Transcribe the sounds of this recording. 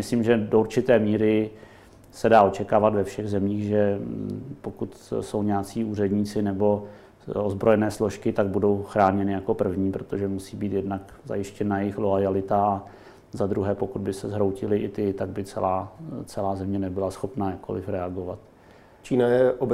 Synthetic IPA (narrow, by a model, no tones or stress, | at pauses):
mɪsliːmʒɛdouɾt͡ʃɪt̪ɛːmiːɾɪ | sɛdaːo̞t͡ʃɛkaːvat̪vɛfʃɛɣzɛmiːxʒɛ | po̞kut̪so̞wɲɛat͡siːuːrɛdɲiːt͡sɪnɛbo̞ | ozbɾo̞jɛnɛːslo̞ʃkɪt̪aɡ̚budo̞wxɾaːɲɛnɪjako̞pr̩vɲiːpɾo̞t̪oʒɛmusiːbiːt̪jɛdnak | za̰jɪʃcɛnajɛjɪxloajalɪt̪aa | zad̪ɾuɦɛːpo̞kud̪̚bɪsɛzɦɾo̞wcɪlɪʔɪt̪ɪt̪aɡ̚bɪt͡sɛ̰laːt͡sɛlaːzɛmɲɛnɛbɪlasxo̞pnajako̰lɪfɾɛaɡo̞va̰t̪ | t͡ʃiːnajɛʔob